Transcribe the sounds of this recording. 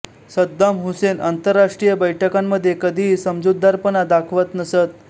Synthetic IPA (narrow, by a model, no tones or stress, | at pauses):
səd̪ːamɦusenant̪əɾːaʂʈɾijəbəjʈʰəkamːəd̪ʱːjekəd̪ʱiːsəmd͡zod̪ʱːaɾpənad̪akʰʋət̪nəsət̪̚